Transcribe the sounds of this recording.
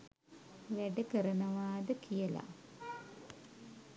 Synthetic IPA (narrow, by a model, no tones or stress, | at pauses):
ʋæɖəkəɾənəʋaːd̪əkʰijəla̰